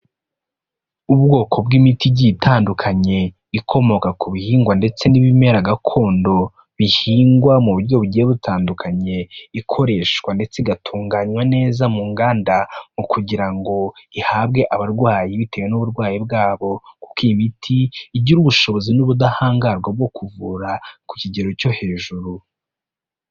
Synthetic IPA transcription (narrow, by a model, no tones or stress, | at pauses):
uβɡo̞ːkʰo̞bɡimitiɟitʰaːndukʰaɲe̞ | ikʰo̞mo̞kakuβihiːŋɡwande̞t͡se̞niβime̞ɾaɡakʰo̞ːndo̞ | βihiːŋɡwamuβuɾɟo̞βuɟijeβutʰaːndukʰaɲe̞ikʰo̞ɾe̞ʃwande̞t͡seiɡatʰuːŋɡaɲwane̞ːzamuːŋɡaːndamukʰuɟiɾaŋɡo̞ihabɡe̞ʔaβaɾɡwaːjiβite̞wenuβuɾɡwaːjibɡaːβo̞ku̥kimitʰiːɟiɾuβuʃo̞βo̞zinuβudahaːŋɡaɾɡwab̚ɡo̞kuvuɾaku̥ciɟe̞ɾo̞co̞he̞ːʒuɾu